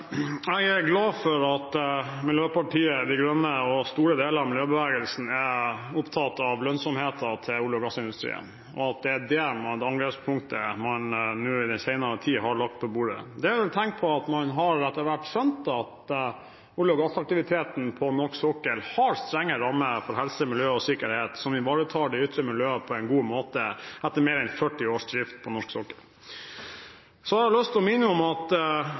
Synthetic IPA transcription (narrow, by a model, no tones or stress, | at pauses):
ɛɡæɾɡlɑːfɔɾɑt̪ | mɪljøːpʰɑʈiːəd̪ɪɡɾœmːəɔst̪uːɾəd̪eːləɾɑʋmɪljøːbəʋeːɡəlsn̩ɛʊpt̪ʰɑt̪ːɑʋlœnsɔmheːt̪ət̪ʰɪluːləɔɡɑsːɪnd̪ʉst̪ɾḭːə̰n | ɔɑt̪̚d̪ɛæɖɛmɑd̪ɑŋɡɾeːspʰʊŋkt̪ʰəmɑnːʉːɪd̪ɛnsæɪnɑɾət̪ʰiːɦɑɭɑk̚t̪̚pʰɔbuːɖə̰d̪ɛæɾʋɛlt̪ʰɛŋkt̪̚pʰɔɑt̪mɑnɦɑɾɛt̪ːəɾʋæʈːsœnt̪ɑt̪ | ʊlɔɡɑst̪ɑk̚t̪ɪʋɪt̪ʰeːt̪n̩pʰɔnɔʂksɔkːəlhɑɾst̪ɾɛŋːəɾɑmːəfɔɾɦɛlsəmɪljøːɔsɪkəɾheːt̪sɔmɪʋɑːɾət̪ʰɑːɖɛʏt̪ɾəmɪljøːəpʰɔɛɪnɡuːmoːt̪əʔæt̪ːəɾmeːɾɛnfœʈːɪoːʂd̪ɾɪft̪̚pʰɔnɔʂksɔkːəl | sɔɑɾɑlœst̪ɔmɪnːəɔmɑt̪